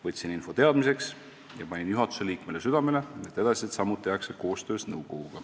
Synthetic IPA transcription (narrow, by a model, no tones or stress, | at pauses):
vɤt̪ʲsininfo̞t̪e̞ɑd̪mise̞ks | jɑpɑnʲinjuɦɑt̪ːˑu̥se̞liːkme̞le̞syd̪̥ɑme̞le̞e̞t̪ːˑe̞d̪ɑsʲiet̪sɑmːut̪ːˑijɑkseko̞ːst̪ø̞ːsnɤwko̞ɡ̥uɡ̥ɑ